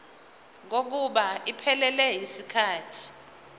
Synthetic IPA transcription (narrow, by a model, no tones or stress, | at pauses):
ŋ̬ok̬uɓaipʰɛlɛlɛɦisikʰaːtʰi̥